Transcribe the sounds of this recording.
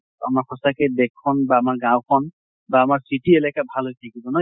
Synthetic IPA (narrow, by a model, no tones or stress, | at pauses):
a̰maɹkʰɔsakɛdɛkʰːɔnbaːmaɹɡãwkʰɔn | baːmaɹsitielɛkabʱalɦojtʰakibɔnɔ